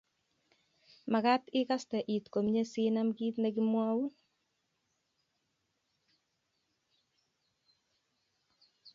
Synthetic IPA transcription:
ma˨ka˦t̪ɪ˦ka˦st̪ɛ˨ʔi˨t̪ko˨mɲe˦si˦na˦mɡi˦t̪ne˦ɡi˦mwa˦wu˦

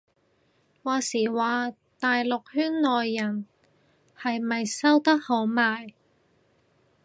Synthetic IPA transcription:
waː˨˧siː˨˩waː˨˧ | t̪aː˨jlʊ˨k̚hyː˥nːɔː˨jːɐ˨˩n | hɐ˨jmɐ˨jsɐ˥wt̪ɐ˥k̚ho˨˥wmaː˨j

